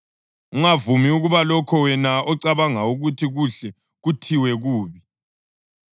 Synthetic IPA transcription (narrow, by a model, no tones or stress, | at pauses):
uŋavumiuɣuβalɔkʰɔwɛnaɔǀaβaŋauɣutʰiɣuɬɛ | ɣutʰiwɛɣuːβi